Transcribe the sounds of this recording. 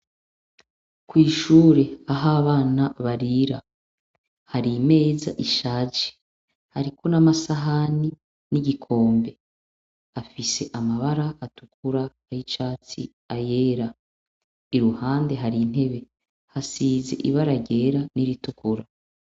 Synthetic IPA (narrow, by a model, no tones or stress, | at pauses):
kwiːʃuːɾe̞aɦaβaːnaβaɾiɾa | haɾime̞ːza̰ʔiʃaːd͡ʒi̥ | haɾiko̞namasaɦani | niɟikʰo̞ːmbe̞ | hafise̞ʔamaβaɾaatukuɾaːjit͡ʃaːt͡sḭ | ajeːɾa | iɾuhaːnde̞ɦaɾin̥he̞βe̞ | hasiːze̞̰ʔiβaɾaɟe̞ːɾaniɾitukuɾa